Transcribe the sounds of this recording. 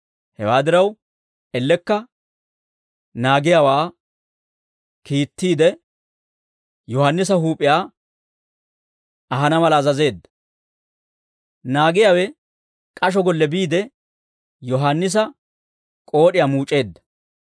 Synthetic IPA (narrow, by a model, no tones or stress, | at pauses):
hɛwaːd̪ɪɾɐw | ɛlːɛkːɐ | naːɡɪjawaː | kiːt̪ːiːd̪ɛ | jɔhanːɪs̬ɐɦuːpʼːɪjaː | ɐɦɐnɐmɐlɐːzɐze̞ːd̪ːɐ | naːɡɪjaːwɛ | kʼɐʃ̬ɔɡɔlːɛbiːd̪ɛ | jɔɦanːɪs̬ɐ | kʼo̞ːɗɪjaːmuːt͡ʃʼːe̞ːd̪ːɐ̥